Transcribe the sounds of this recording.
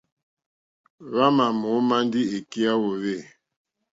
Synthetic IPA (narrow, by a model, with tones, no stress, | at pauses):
βa˦ma˨mo˨˦ma˦n˦di˦e˨ki˦a˦wo˨βe˦˨